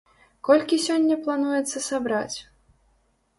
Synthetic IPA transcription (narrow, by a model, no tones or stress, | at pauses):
kɔlʲkʲisʲɔnʲːɐplˠanujɛt̪sːɐsabɾa̰t͡sʲ